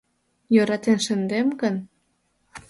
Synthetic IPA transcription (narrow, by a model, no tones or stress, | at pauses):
jøɾɑt̪enʃə̆nd̪emɡən